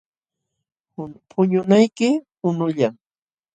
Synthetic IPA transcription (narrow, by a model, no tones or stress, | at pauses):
pʰʊɲʊnajkɪ | ʊnʊʎaŋ